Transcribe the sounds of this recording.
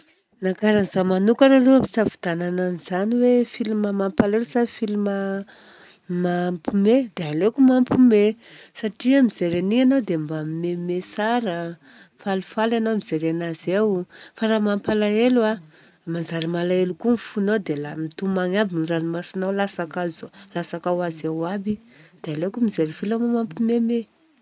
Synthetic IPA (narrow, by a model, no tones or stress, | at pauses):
nakaɾanizamanukaɾaluapi̥savu̥d̪anananiz̥aniwefilumamampalelusafilima | mampumed̪ealekumampumesaʈ͡ʂiamizeɾenianawd̪embamimemesaɾə | falufalanomiz̥eɾenazawfaɾamampalaelua | manzaɾimalaelukunfunawd̪elamit̪umaŋabiniranimasinawlasakazolasakawazawabid̪̥ealekumizeɾifilamamampimeme